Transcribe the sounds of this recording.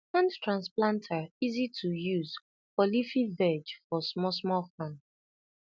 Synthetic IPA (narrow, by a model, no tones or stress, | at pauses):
fãntɹãnsplãntʰaizitʰujuz | fɔlifivɛd͡ʒfɔsmɔsmɔfãn